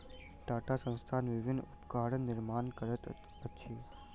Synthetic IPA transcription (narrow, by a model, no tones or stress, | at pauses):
ɖaːʈaːsə̃nst̪ʰaːnʋɪʋɪnːʊpkaːɽənːɪɾmaːnkəɾət̪ | ətːʃʰi